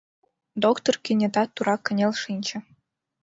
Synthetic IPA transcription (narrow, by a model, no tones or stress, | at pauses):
d̪okt̪orkʲenʲĕd̪ɑt̪ːuɾɑkʲːɘ̆nʲelʲʂinʲt͡ɕɘ̆